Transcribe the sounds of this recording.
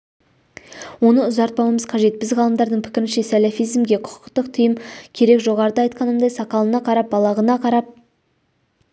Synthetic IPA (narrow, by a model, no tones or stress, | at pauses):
wo̞nəʊzɑɾt̪̚pɑwəməzqʰɑʒe̞t̪̚bɪzʁɑlˠəmd̪ɑɾd̪əɴpʰɪ̥kʲɪɾɪnʃe̞sælʲɑfijzmɡʲe̞qʰʊ̥qʊ̥qt̪əqt̪ʰʏjɪmkʲʰe̞ɾe̞kʒo̞ʁɑɾəd̪əɑjt̪̚qɑnəmd̪ɑjsɑqɑlˠənɑqʰɑɾɑp̚bɑlˠɑʁənɑqʰɑɾɑp̚